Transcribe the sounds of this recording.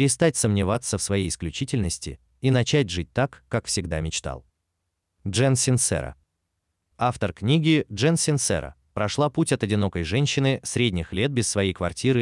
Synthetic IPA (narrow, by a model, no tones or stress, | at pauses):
pʲɾʲɪst̪atʲsəmnʲɪvat̪sːəfsvɐjejɪsklʲʉt͡ɕitʲɪlʲnəsʲtʲɪ̰ | inɐt͡ɕætʲʐɨt̚ʲt̪akːakfsʲɪɡd̪amʲɪt͡ɕt̪a̰lˠ | ʐɛnsʲɪnsɛ̰ɾə̰ | aft̪ərknʲiɡʲɪʐɛnsʲɪnt̪sɛ̰ɾə̰ | pɾɐʂlˠaputʲɐt̪ɐdʲɪno̞kəjʐɛnʲɕːɪnɨsɾʲedʲnʲɪxlʲet̪̚bʲɪsːvɐjejkvɐ̰rtʲiɾɨ